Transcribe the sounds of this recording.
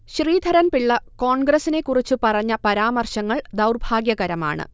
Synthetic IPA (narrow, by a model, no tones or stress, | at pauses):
ɕriːd̪ʱɐɾɐnpiɭːɐko̞ːɳɡrɐsine̞kːurit͡ɕːupɐrɐɲːɐpɐɾaːmɐrɕɐŋːɐɭd̪ɐwrbʱaːɡjɐɣɐɾɐma̰ːɳɨ̰